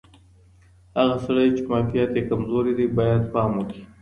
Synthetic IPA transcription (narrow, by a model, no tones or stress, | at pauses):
haɣasaɽajt͡ʃemɑːfijat̪ekamzoɾid̪ibɑːjad̪pɑːmwʊki̥